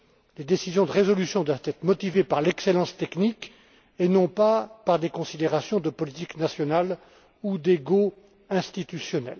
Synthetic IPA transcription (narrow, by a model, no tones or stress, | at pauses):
led̪esizjɔ̃d̪əʁezɔlysjɔ̃d̪wavt̪ɛt̪χəmɔt̪ivepaʁlɛkselɑ̃st̪ɛknik | enɔ̃papaʁd̪ekɔ̃sid̪eʁasjɔ̃d̪əpɔlit̪iknasjɔnal | ud̪eɡo | ɛ̃st̪it̪ysjɔnɛ̰l